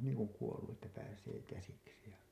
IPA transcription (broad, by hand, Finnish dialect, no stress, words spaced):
niːŋ kuŋ kuolːu ʔetːæ pæːseː kæsiksi jɑ